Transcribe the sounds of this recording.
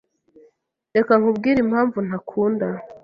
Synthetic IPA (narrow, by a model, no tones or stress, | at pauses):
de̞kaŋubɡiːɾimhaːɱvun̥akʰuːnda